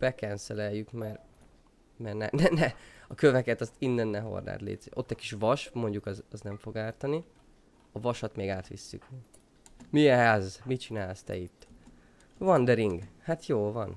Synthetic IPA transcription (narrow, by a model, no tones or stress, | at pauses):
b̥ɛkɛnsɛlɛjːykmɛr | mɛrnɛ̰nɛnɛɒkøvɛkɛt̪ɒst̪inːɛnːɛɦo̞̰rna̰ːt̪lḛːt̪ziʔo̞̰t̪ːɛcʲkiʃvɒʃmo̞ɲɟukɒzɒznɛɱfo̞ɡaːrt̪ɒni | ɒvɒʃɒt̪meːɡaːt̪ʋḭsːy̰k | miɛɦaːzmit͡ʃinaːlst̪ɛ̰it̪ː | vɒnd̪ɛɾiŋɡhat̪joːlvɒn